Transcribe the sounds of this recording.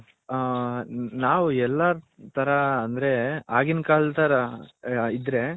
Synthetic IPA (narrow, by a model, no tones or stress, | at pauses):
naːʋuɛlːat̪ʰɐɾɐɐnd̪ɾe̞aːɡinkaːɭt̪ɐɾɐ | id̪ɾe